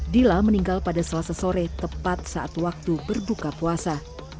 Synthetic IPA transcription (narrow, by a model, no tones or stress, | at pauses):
dilaməniŋɡalpadasəlasasoɾɛt̪əpat̪̚saʔat̪wak̚t̪ubərbukapuasa